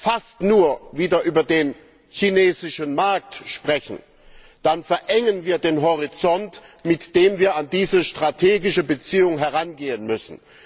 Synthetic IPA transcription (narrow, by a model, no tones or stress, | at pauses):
fastnuːɐviːdɐʔyːbɐdeːn | çineːzɪʃənmaɐk̚tʃpʁ̥ɛçn̩ | d̥anfɛɐʔɛŋənviːɐdeːnɦɔʁ̞it͡sɔntmɪtd̥eːmviːɐandiːzəʃtʁ̥atʰeːɡɪʃəbət͡siːʊŋɦɛʁanɡeːənmʏsn̩